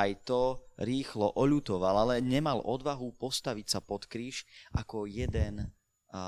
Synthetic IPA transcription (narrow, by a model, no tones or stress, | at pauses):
ajt̪ɔɾiːxlɔʔɔʎut̪ɔʋalalɛɲɛmalɔd̪ʋaɦupɔst̪aʋicsapɔt̪kɾiːʃʔa̰kɔjɛd̪ɛn